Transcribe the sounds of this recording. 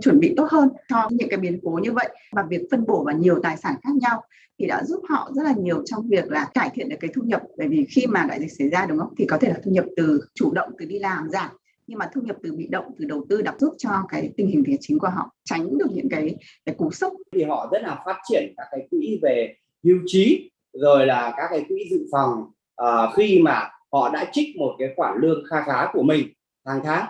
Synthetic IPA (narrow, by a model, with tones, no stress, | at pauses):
t͡ɕwə˧˩nɓḭ˧˨t̪o˦˥t̚həː˧nt͡ɕɔ˧ɲɨ̰˧˥kaː˨˦jɓi˨˦ənko˨˦ɲɨ˧və̰˧˨j | maː˨˩vi˨˩ək̚fə˧nɓo˧˩vaː˨˩ɲi˨˩əwt̪aː˨˩jsaː˧˩nxaː˦˥k̚ɲa˧w | t̪ʰi˨˩ɗa̰ː˧˥zu˦˥p̚hɔ̰˧˨zə˦˥t̚laː˨˩ɲi˨˩əwt͡ɕɔ˧wŋ͡mvi˨˩ək̚laː˨˩kaː˧˩jt̪ʰḭ˧˨nɗɨ˨˩kːaː˨˦t̪ʰu˧ɲə˨˩p̚ɓəː˧˩jvi˨˩xi˧maː˨˩la̰ː˧˨jzï˨˩k̟̚sə˧˩jzaː˧ɗʊ˨˦ŋ͡mʔə˧˦wt̪ʰi˨˩kɔ˨˦e˧˩laː˨˩t̪ʰu˧ɲə˨˩p̚t̪ɨ˨˩t͡ɕu˧˩ɗə̰˧˨wŋ͡mt̪ɨ˨˩ɗi˧laː˨˩mzaː˨˩t̚ | ɲɨ˧ŋmaː˨˩t̪ʰu˧ɲə˨˩p̚t̪ɨ˨˩ɓḭ˧˨ɗə̰˧˨wŋ͡mt̪ɨ˨˩ɗə˨˩wt̪ɨ˧ɗa˨˩p̚zu˦˥p̚t͡ɕɔ˧kaː˨˦jt̪ï˧˩ŋ̟hi˨˩ŋ̟t̪i˨˩ət͡ɕï̟˨˦ku˧˩əɦɔ̰˧˨ʔt͡ɕa˨˦jŋ̟ɗɨ˨˩ək̚ɲɨ̰˧˥ŋkaː˨˦jaː˨˦jku˧˩sʊ˦˥k͡p̚t̪ʰi˨˩ɦɔ̰˧˨zə˦˥t̚laː˨˩faː˦˥t̚t͡ɕi˧˩ənkaː˦˥kːaː˨˦jkwḭ˧˥ve˨˩ | hi˧wt͡ɕi˨˦ | zo˨˩jlaː˨˩kaː˦˥k̚ːaː˨˦jkwḭ˧˥zɨ̰˧˨fɔ˨˩wŋ͡m | ʔəː˨˩xi˧maː˨˩ | hɔ̰˧˨ɗa̰ː˧˥t͡ɕï˦˥k̟̚mo˨˩t̚kaː˨˦jxwaː˧˩nlɨ˧ək̚xaː˧xaː˨˦ku˧˩əmï˨˩ŋ̟ | t̪ʰaː˨˦ŋt̪ʰaː˨˦ŋ